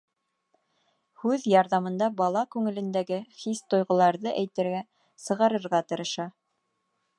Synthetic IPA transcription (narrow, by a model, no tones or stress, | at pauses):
hʉðjɑɾðɑmɤ̆nd̪ɑbɑlˠɑkʉŋɘ̆lɘ̆nd̪æɡɘχist̪ŏjʁŏlˠɑɾðɤʔæjt̪ɘ̆ɾɡæ | sɤ̆ʁɑɾɤ̆ɾʁɑt̪ɤ̆ɾɤ̆ʃɑ